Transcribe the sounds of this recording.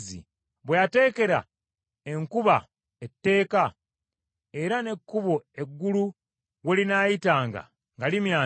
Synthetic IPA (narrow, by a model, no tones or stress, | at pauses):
zḭ | βwejate̞ːke̞ɾa̰ | e̞ŋkuβa | etːe̞ːka | e̞ɾane̞kːuβoe̞ɡːulu | welinaːjitaːŋɡa̰ | ŋɡalimjaː